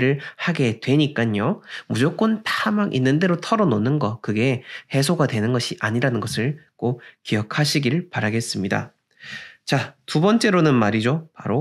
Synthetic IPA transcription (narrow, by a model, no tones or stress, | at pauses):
ɾɯɭhaɡe̞dwe̞ɲik͈aɲomud͡ʑok͈ontʰaamaɡʔḭnːɯnde̞ɾotʰʌɾʌnonɯnɡʌkɯɡe̞he̞sʰoɡadwe̞nɯnɡʌɕʰiʔaɲiɾanɯnɡʌsʰɯɭk͈okijʌkʰaɕʰiɡiɯɭpaɾaɡe̞s͈ɯmɲida̰ | t͡ɕatubʌnt͡ɕ͈e̞ɾonɯnmaɾid͡ʑopaɾo